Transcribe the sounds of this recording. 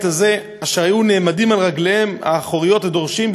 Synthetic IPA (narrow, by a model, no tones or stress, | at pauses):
t̪aze̞ | aʃeʁhajune̞ːmadimalʁaɡlehema̰ːχoʁijo̞thado̞ʁʃimb